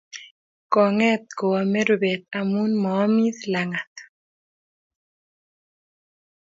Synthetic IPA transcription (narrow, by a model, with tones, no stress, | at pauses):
kɔ˨ŋɛ˦t̪̚kɔ˨ɔ˨mɛ˦ɾo˨be˨t̪a˨mu˦nmɔː˦mi˦ðla˨ŋa˨t̪